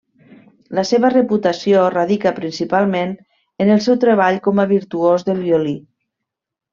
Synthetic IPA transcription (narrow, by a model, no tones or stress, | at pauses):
ləseβərəput̪əsioraðikəpɾinsipalˠmen | ənəlˠsɛwt̪ɾeβ̞aʎkɔməβ̞iɾt̪uozðəlˠβjoli